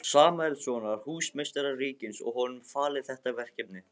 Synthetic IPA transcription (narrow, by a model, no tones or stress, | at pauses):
saːmaɛlsɔːnaɾ̥huːsmejst̪aɾariːcɪnsɔ̰ɣɦɔnʏmfaːlɪθɛht̪avɛr̥cɛpnɪ